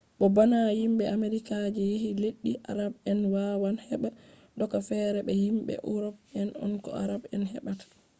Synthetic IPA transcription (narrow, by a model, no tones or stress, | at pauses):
ɓɔbanahimɓɛʔameɾikad͡ʒɛjeɦileɗːiʔaɾabɛnwawanhɛɓa | dɔkafɛːɾɛbɛhimɓɛ̰ʔuɾɔp̚ɛnɔ̰nkɔ̰aɾabɛ̰nɦɛ̰ɓatḁ